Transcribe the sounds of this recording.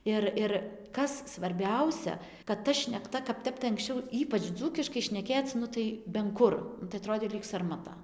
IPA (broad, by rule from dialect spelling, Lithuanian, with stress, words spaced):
ˈɪr ɪr ˈkɐs sʋɐrʲˈbʲɛʊsʲɛ kɐt ˈtɐ ʃʲnʲɛkˈtɐ kɐp ˈtʲɛp tɐɪ ɐŋksʲˈt͡ʃʲɛʊ ˈiːpɐt͡ʃ ˈd͡zuːkʲɪʃkɐɪ ʃʲnʲɛˈkʲeːt͡s ˈnʊ tɐɪ bʲɛn ˈkʊr nʊ tɐɪ ɐˈtroːdʲeː lʲiːk sɐrmɐˈtɐ